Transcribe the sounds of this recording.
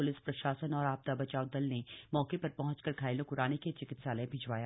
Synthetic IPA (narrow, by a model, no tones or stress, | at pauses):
ʊlɪspɾɐʃaːsənɔːɾaːp̚t̪abɐt͡ʃaːod̪ɐlnemɔːkepɐɾpɐɦʊ̃t͡ʃkɐɾkʰaːɪlõkʊɾaːneket͡ʃɪkɪt̪saːlẽbʱɪd͡ʒʋaːjaː